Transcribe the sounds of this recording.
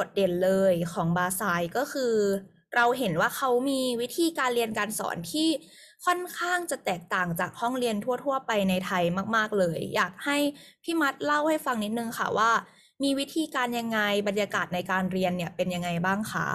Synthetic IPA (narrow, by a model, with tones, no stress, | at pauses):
ko˨˩t̪̚de˨˩nlɤː˧jkʰɔː˩˦ŋbaː˧saː˧jkɔː˥˩kʰɯː˧ | ɾʔa˧wɦe˩˦nwaː˥˩kʰa˦˥wmiː˧wi˦˥t̪ʰiː˧kaː˧nɾi˧ənkaː˧nsɔ̰ː˩˦nt̪ʰiː˥˩ | kʰɔ˥˩nkʰaː˥˩ŋt͡ɕa˨˩t̪ɛː˨˩k̚t̪aː˨˩ŋt͡ɕaː˨˩k̚hɔ˥˩ŋɾi˧ənt̪ʰu˥˩ət̪ʰu˥˩ɐpa˧jna˧jt̪ʰa˧jmaː˥˩k̚maː˥˩k̚lɤː˧jːa̰ː˨˩k̚ha˥˩jpʰiː˥˩ma˦˥t̪̚la˥˩wha˥˩jfa˧ŋni˦˥t̪̚nɯ˧ŋkʰa̰˥˩waː˥˩ | miː˧wi˦˥t̪ʰiː˧kaː˧nja˧ŋːa˧jba˧njaː˧kaː˨˩t̪̚na˧jkaː˧nɾi˧ənːi˥˩ɐpe˧nja˧ŋːa˧jbaː˥˩ŋkʰa̰˥˩